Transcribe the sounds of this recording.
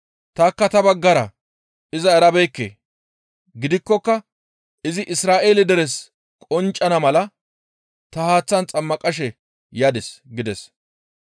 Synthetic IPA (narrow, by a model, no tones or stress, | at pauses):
t̪aːkːɐt̪ɐbɐɡːɐɾɐ | ɪzɐɛɾɐbejkːḛː | ɡɪd̪ɪkːɔkːɐ | ʔɪzɪʔɪsɾaːʔe̞ːlɪd̪ɛɾɛs | kʼɔnt͡ʃʼːɐnɐmɐlɐ | t̪ɐhaːt͡sːɐnt͡sʼɐmːɐkʼɐʃ̬ɛ | jaːd̪ɛsɡɪd̪ɛs